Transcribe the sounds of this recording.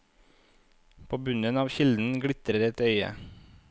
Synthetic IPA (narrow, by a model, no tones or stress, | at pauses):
pʰoːbʉnənɑːʋçɪld̪n̩ɡɽɪt̪ɾəɾɛt̪œʏə̰